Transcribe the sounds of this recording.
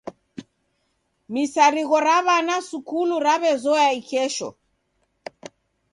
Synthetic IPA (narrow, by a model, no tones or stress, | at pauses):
misaɾiɣɔɾaβanasukuluɾaβɛzɔjaikɛʃɔ̰